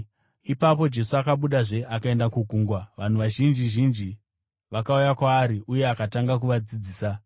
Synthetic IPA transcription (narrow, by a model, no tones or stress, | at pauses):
ipapo̞d͡ʒe̞suakaɓuɗaʐe̞ʔakae̞ndakuɡʱuːŋɡwaʋan̤uʋaʒind͡ʒiʒind͡ʒi | ʋakaujakwaːɾiʔuje̞akataŋɡak̬uʋad͡zid͡ziːsa